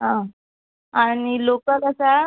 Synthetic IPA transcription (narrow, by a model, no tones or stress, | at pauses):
ɦã | anilokəkəsa